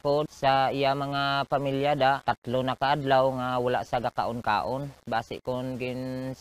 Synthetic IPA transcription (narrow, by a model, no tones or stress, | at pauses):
kʊd̪saijamaŋapamiljad̪at̪at̪lʊnakaʔad̪lawŋawala̰ʔsaɡaka̰ʔʊnka̰ːʔʊnbaːsɪ̰kʊnɡɪn